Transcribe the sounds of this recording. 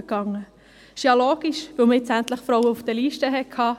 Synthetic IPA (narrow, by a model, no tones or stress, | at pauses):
kɑŋːə | ɪ̥ʃɑloːɡ̥iʃʋɪlməɛt͡sænt̪ləχfɾɔwəufd̥əliːʃtəɦɛkʰɑː